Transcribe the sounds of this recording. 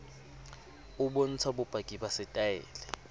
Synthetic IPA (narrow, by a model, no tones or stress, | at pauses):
uɓon̩t͡sʰaɓub̥ʱaɡ̥ʱiɓasɛtʼaɛ̰ːlɛ